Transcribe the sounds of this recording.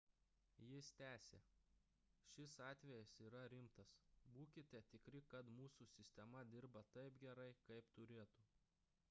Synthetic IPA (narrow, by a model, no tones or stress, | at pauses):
jɪst̪ʲæːsʲeː | ʃʲɪsɑːt̪ʲʋʲɛjɛsiːɾɐɾʲɪmt̪ɐsbuːkʲɪt̪ʲɛt̪ʲɪkɾʲɪkɐt̪muːsusʲɪsʲt̪ʲɛmɐd̪ʲɪɾbɐt̪ɐɪpɡʲɛɾɐɪkɐɪpt̪ʊɾʲeːt̪u